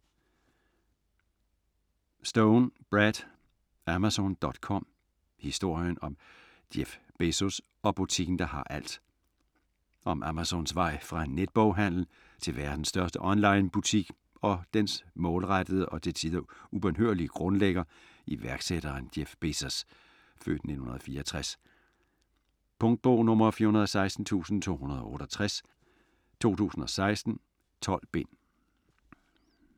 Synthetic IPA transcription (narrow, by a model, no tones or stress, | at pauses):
sd̥oʊnb̥ʁæd̥ | æmæsond̥ɒ̽d̥kʰɒ̽m̰ | hisd̥o̝ɐ̰jənɒ̽m | d̥jef | b̥e̝sos | ɒ̽b̥ut͡sʰiɡ̥n̩d̥ɑ̈hɑ̈ʔæl̰d̥ | ʔɒ̽mʔæmæsɔnsʋɑ̈ɪ̰fʁɑ̈ned̥̚b̥ɒʊ̰ɦæn̰l̩ | t͡sʰe̝lʋæɐd̥n̩sːd̥ɶɐsd̥əʔɒ̽nlɑ̈ɪnb̥ut͡sʰiɡ̥ | ɒ̽d̥ensmɔ̽ːlʁad̥əð̞ˠʔɒ̽t͡sʰe̝sʰiðˠɐub̥enɦøɐ̰liəɡ̥ʁɔ̽nleɡ̥ɐ | iʋæɐɡ̥seɾ̥ɐːnd̥efb̥e̝sɐs | fø̰ːd̥ne̝̥n̩hunɐðˠfiːɐɒt͡sʰʁas | pʰɔŋd̥̚b̥ɔʊnɔ̽mɐfiːɐhunɐðˠɒsɑ̈ɪsd̥n̩t͡sʰṵːsn̩t͡sʰo̝̰ːhunɐð̞ˠɒ̽ɔ̰ɾ̥ɒt͡sʰʁas | t͡sʰo̝̰ːt͡sʰṵːsn̩ɒ̽sɑ̈ɪsd̥n̩ | t͡sʰɒ̽l̰b̥e̝n̰